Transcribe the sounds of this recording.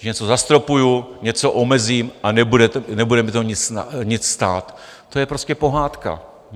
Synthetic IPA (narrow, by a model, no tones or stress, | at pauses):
ɲɛt͡so̞zast̪ɾo̞pujuɲɛt͡so̞ʔomɛziːmʔanɛbudɛtnɛbudɛmɪt̪oɲɪt͡saɲɪt͡sst̪a̰ːt̪ː | o̞jɛpɾo̞scɛpo̞ɦaːt̪ka̰